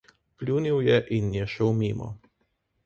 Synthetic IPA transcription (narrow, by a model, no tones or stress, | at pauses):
plʲuːnʲiwjɛʔinjɛʃɛwmʲiːmɔ̰